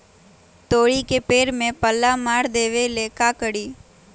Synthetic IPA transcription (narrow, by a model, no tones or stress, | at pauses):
t̪oːɽikepeːɾmẽpəlːamaːɾd̪eːʋelekaːkəɽiː